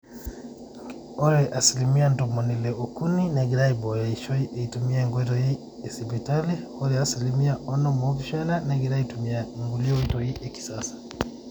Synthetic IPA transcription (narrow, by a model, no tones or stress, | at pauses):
ɔɾɛʔasilimiantɔmɔnilɛukuninaɡiɾaibɔjaiʃɔiʔeitumiaŋɡwɛtɔhi | ɛsibɛtaliɔɾɛasilimiaɔnɔmɔviʃananaɡiɾaitumiaŋɡuliɔwitɔhiʔɛki̥sasḁ